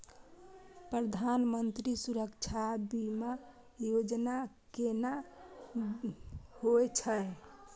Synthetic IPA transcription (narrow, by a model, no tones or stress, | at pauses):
pɾəd̪ʱanmənt̪ɾisuɾəkt͡ʃʰabima | jod͡ʒna | kena | hoɛt͡ʃʰə